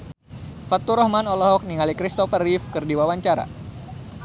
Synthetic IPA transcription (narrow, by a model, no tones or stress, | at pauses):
fat̪uɾɔhmanɔlɔɦɔk̚niŋalikɾist̪ɔfərifkɨrdiwawaɲt͡ʃaɾa̰